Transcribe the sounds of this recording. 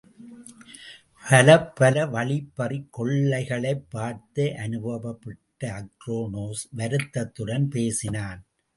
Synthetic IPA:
pʰɐlɐpːɐlɐʋɐɭɪpːɐrɪkːɔɭːɐɪɣɐɭɐɪpːaːɾt̪ɐʔɐnɯbɐbɐpːɪʈːɐɐkɾoːnoːsʋɐɾɯt̪ːɐt̪ːɯɽɐnpeːsɪnaːn

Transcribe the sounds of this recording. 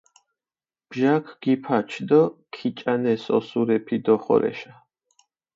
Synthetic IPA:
b̥ʒakʰɡ̥ipʰat͡ʃʰd̪ɔkʰit͡ʃʼanɛsɔ̰suɾɛpʰid̪ɔχɔ̰ɾɛ̰ʃa

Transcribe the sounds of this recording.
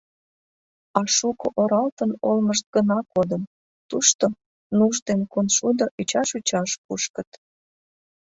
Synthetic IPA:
ɑʃukoʔoɾɑlt̪ənolməʃt̪̚ɡənɑkod̪əm | t̪uʃt̪o | nuʃd̪enkonʃud̪oʔit͡ɕɑʃut͡ɕɑʃpuʃkət̪

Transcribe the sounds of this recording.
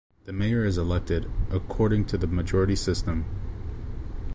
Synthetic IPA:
ðɨmeɪə˞ɨzəlɛk̚tɪɾʔəkʰɔɹɾɪ̃ŋtʰɨðɨmɨd͡ʒɔɹɨɾisɪstə̃m

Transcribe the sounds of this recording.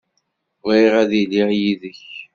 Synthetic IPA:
ʁiʁæðilijiðəç

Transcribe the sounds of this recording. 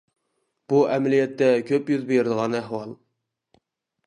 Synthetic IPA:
b̥uʔɛmɛlijɛt̪ːɛkʲʰøpjyzbeɾɪd̪əʁɑnæhwɑlˠ

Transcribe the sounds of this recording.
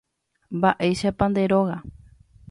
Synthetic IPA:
mbaʔe̞jʃapãnd̪e̞ɾo̞ɣa

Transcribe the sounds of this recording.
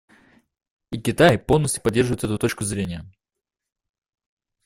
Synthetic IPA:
ikʲɪt̪ajpo̞lˠnəsʲt̪ʲjʲʊ̥pɐdʲːe̞rʐɨvʊjt̪ɛt̪ʊt̪o̞t͡ɕkʊzɾʲenʲɪjə

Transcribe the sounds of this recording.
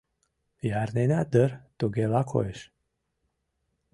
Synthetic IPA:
jaɾnenʲad̪əɾt̪uɡelakʰo̰eʃ

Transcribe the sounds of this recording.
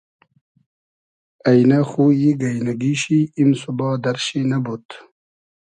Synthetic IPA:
ɐjnaxujiɡɐjnaɡiɕiimsubɑːd̪ɐɾɕinabut̪

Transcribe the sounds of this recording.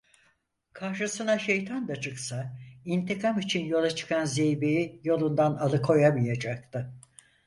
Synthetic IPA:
kʰaɾʃɯsɯnaʃe̞jt̪ʰand̪at͡ʃʰɯksaint̪ikʰamit͡ʃʰinjo̞lˠat͡ʃʰɯ̥kʰanzejbejijo̞lˠund̪analˠɯkʰo̞jamɯjad͡ʒak̚t̪ʰɯ

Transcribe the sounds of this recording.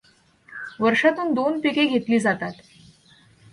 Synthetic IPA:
ʋəɾʂat̪uːnd̪onpikeɡʱet̪liːd͡zat̪at̪

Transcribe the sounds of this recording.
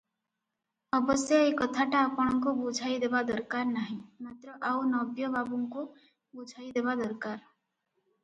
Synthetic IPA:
ɔbɔsjɔekɔt̪ʰaʈaːpɔɽ̃ɔŋkubud͡ʒʱajd̪ebad̪ɔɾkaɾnaɦĩmat̪ɾɔʔaunɔbjɔbabuŋku | bud͡ʒʱajd̪ebad̪ɔɾkaɾ

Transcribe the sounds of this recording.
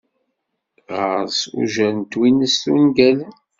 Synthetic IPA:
ʁəɾsṵʒæɾənt̪winəsθunɡælə

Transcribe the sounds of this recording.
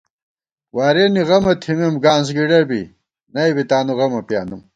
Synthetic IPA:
waːɾeːniɣɐmɐt̪ʰimimɡaːns̬ɡiɖɐbḭ | nɐibit̪aːnuɣɐmɐpja̰ːnum

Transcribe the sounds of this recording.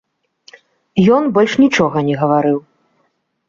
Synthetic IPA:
jɔnbɔlʲʂnʲit͡ʂɔɣɐnʲɛɣɐvaɾɨw

